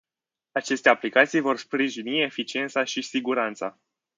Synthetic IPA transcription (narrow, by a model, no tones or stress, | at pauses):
at͡ʃe̞st̪e̞aplikat̪sijvo̞rspɾiʒinie̞fit͡ʃie̞nt̪saʃisiɡuɾant̪sa̰